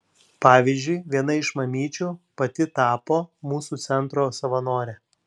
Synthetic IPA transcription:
pɑːʋʲɪːzʲd͡ʒʲʊɪʋʲiɛnɐɪʃmɐmʲiːt͡ʃʲuːpɐt̪ʲɪt̪ɑːpoːmuːsuːt̪sʲɛnˑt̪ɾoːsɐʋɐnoːɾʲɛ

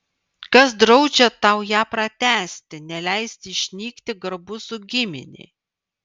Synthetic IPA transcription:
kɐsd̪ɾɒʊd͡ʒʲɛt̪ɑˑʊjæːpɾɐt̪ʲæːsʲt̪ʲɪnʲɛlʲæˑɪsʲt̪ʲɪʃʲnʲiːkt̪ʲɪɡɐɾbʊsʊɡʲɪmʲɪ̰nʲḛː

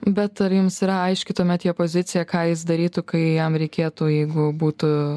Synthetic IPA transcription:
bʲɛt̪ɐɾjʊmsiːɾɐɐɪʃʲkʲɪt̪oːmʲɛt̪jɛpoːzʲɪt̪sʲɪjɛkɑːjɪs̬d̪ɐɾʲiːt̪ʊkɐɪjɛmɾʲɛɪkʲeːt̪uːjɛɪɡʊbuːt̪ʊ

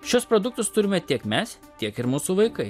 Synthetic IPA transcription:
ʃʲʊspɾod̪ʊk̚t̪ʊst̪ʊɾʲɪmʲɛt̪ʲiɛkmʲɛs | t̪ʲiɛkɪɾmuːsuːʋɐɪkɐɪ

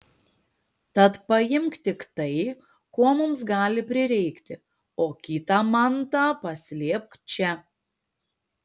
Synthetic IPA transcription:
t̪ɐt̪pɐjɪmkt̪ʲɪkt̪ɐɪ | koɔmʊmsɡɑːlʲɪpʲɾʲɪɾʲɛɪkt̪ʲɪ | oːkʲiːt̪ɑːmɐnt̪ɑːpɐsʲlʲeːp̚kt͡ʃʲɛ

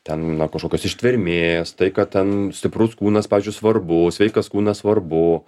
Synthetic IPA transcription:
t̪ʲɛnnɐkɐʃkoːkʲosɪʃʲt̪ʲʋʲɪɾʲmʲeːst̪ɐɪkɐt̚tʲɛnsʲt̪ʲɪpɾʊskuːnɐspɑːʋʲiːzʲd͡ʒʲʊɪsʋɐrbʊsʲʋʲɛɪkɐskuːnɐsʋɐrbʊ

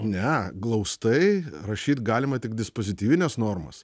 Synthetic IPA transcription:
onʲɛɡlˠɐʊst̪ɐɪɾɐʃʲiːt̪ɡɑːlʲɪmɐt̪ʲɪkd̪ʲɪspoːzʲɪt̪ʲiːʋʲɪnʲɛsnoːrmɐ̰s

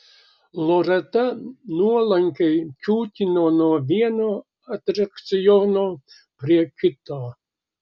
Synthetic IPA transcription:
lˠoɾɛt̪ɐnuɔlˠɐŋʲkʲɛjt͡ʃʲuːt̪ʲɪnoːnuːʋʲiɛno | ɐt̪ʲɾɐkt̪sɪjoːnoː | pɾʲiɛkʲɪt̪oː

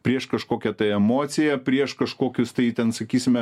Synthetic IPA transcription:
pʲɾʲiɛʃkɐʃkoːkʲɛt̪ɐɛmoːt̪sʲɪjɛpʲɾʲiɛʃkɐʃkoːkʲʊst̪ɐɪt̪ʲɛnsɐkʲiːsʲɪmʲɛ

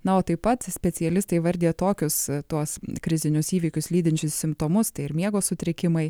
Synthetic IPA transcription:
nɐoːt̪ɐɪppɐt̪sʲpʲɛt̪t͡s̪ʲɪɛlʲɪst̪ɐɪʋɐɾʲd̪ʲeːjt̪oːkʲʊst̪uɔskɾʲɪzʲɪnʲʊsiːʋʲiːkʲʊslʲiːd̪ʲɪnʲt͡ʃʲʊssʲɪmpt̪oːmʊst̪ɐɪɪɾmʲiɛɡoːsʊt̪ʲɾʲɪkʲɪmɐɪ

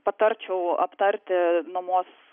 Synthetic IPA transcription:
pɐt̪ɐɾʲt͡ʃʲɛʊɐ̰pt̪ɐɾʲt̪ʲɪnɐmoːs

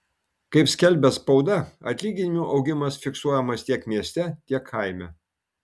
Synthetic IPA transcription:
kɐɪpsʲkʲɛlʲbʲɛspɒʊd̪ɐɐ̰t̪ʲlʲiːɡʲɪnʲɪmʲuʔɒʊɡʲɪmɐsfʲɪksuɔjɛmɐst̪ʲiɛkmʲiɛsʲt̪ʲɛt̪ʲiɛkʰːɐɪmʲɛ

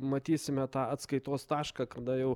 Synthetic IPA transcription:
mɐt̪ʲiːsʲɪmʲɛt̪ɑːɐt̪skɐɪt̪oːst̪ɑːʃkɑːkɐd̪ɐjɛʊ

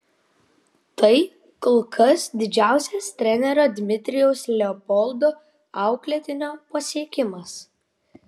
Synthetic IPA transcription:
t̪ɐɪ | kɔlˠkʰɐsd̪ʲɪd͡ʒʲæˑʊsʲɛst̪ʲɾʲɛnʲɛɾoːd̪ʲmʲɪt̪ʲɾʲɪjɛʊslʲɛɔpɔlˠd̪o | ɐˑʊklʲɛt̪ʲɪnʲoːpɐsʲiɛkʲɪmɐs

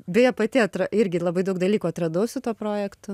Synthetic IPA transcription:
bʲɛjɛpɐt̪ʲɪɐt̪ɾɐɪɾʲɡʲɪlˠɐbɐɪd̪ɐʊkd̪ɐlʲiːkuːɐt̪ɾɐd̪ɐʊsʲɪt̪uɔpɾoːjɛkt̪ʊ

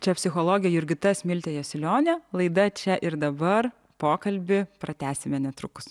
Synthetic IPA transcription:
t͡ʃʲɛpʲsʲɪxoːlˠoːɡʲɪjɛjʊɾʲɡʲɪt̪ɐsmʲɪlʲt̪ʲejoːsʲɪlʲoːnʲɛlˠɐɪd̪ɐt͡ʃʲɛʔɪɾd̪ɐbɐr | poːkɐlʲbʲɪpɾɐt̪ʲæːsʲɪmʲɛnʲɛt̪ɾʊkʊ̥s

